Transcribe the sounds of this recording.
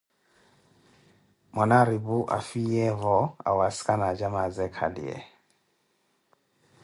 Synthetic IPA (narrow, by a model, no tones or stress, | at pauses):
mɔnaɾibuʔa̰fijɛvɔa̰waskʼanad͡ʒamazɛkʰa̰lḭɛ̰